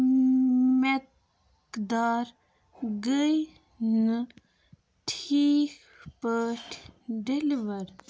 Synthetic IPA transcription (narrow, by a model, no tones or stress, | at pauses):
mek | kd̪aːɾ | ɡəj | nɨ | ʈʰiːk | pəʈʰɖeliʋɐɾ